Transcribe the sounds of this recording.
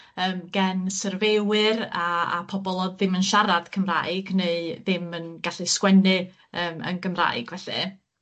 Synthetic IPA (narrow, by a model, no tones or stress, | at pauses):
əːmɡ̥ɛnsərvewɨra̰ːpʰɔbɔlˠɔðɪmənʃaɾad̥kʰəmra̰ɨɡneɨðɪmənɡ̥aɬɨskwɛnɨ | əːmə̰nɡəmra̰ɨɡ̥vɛɬɨ̰